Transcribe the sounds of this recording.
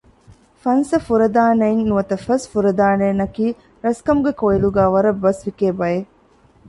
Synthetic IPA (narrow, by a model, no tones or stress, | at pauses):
fɐnsɐfuɾɐd̪aːnɐinːuʋɐt̪ɐfɐsfuɾɐd̪aːneːnɐkiː | ɾɐskɐmuɡekoiluɡæːʋɐɾɐbːɐsʋikeːbɐje